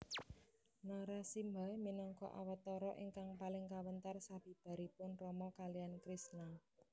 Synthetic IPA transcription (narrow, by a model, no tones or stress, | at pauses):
nɔɾasimbajminɔŋkɔ̰ʔa̰wat̪ɔɾɔʔiŋkaŋpalɪŋkawənt̪arsab̥i̤b̥a̤ɾipʊnrɔmɔkalijankɾisna